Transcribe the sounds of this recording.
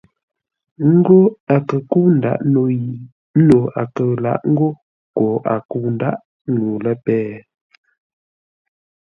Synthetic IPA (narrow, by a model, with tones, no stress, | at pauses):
ŋ̩˦ɡo˦a˨kə˨ku˦n̩˨da̰˨˦ʔno˨ji˨˦ | no˨a̰˨kə˨la̰˦ʔŋ̩˦ɡo˦ | kɔ˨a̰˨ku˦˨n˦da̰˦ʔ | ŋ˦ɡu˨lə˦pɛː˦